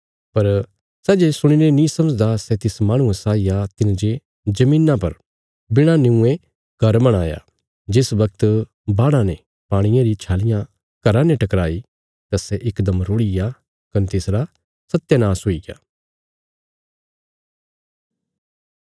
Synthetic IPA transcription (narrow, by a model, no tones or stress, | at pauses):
pɐɾ | sɛːd͡ʒesʊɽ̃inenĩsɐməd͡ʒd̪asɛt̪ɪsmãːɽ̃ũẽsaːijat̪ɪnd͡ʒe | d͡ʒɐmĩːnːãpɐ̰ɾ | bɪɽ̃anɪũẽ | ɡ̥ɐɾbɐɽ̃aːja̰ | d͡ʒɪsbɐk̚t̪ | baːɽãnɛ̃ | paːɽ̃ɪjãɾit͡ʃʰaːlɪjã | kɐɾãnɛ̃ʈɐkɾaːi | t̪asɛʔɪkd̪əmɾoːɽɪja | kɐnt̪ɪsɾa | sɐt̪ːjanaːsɦoːiɡja̰ː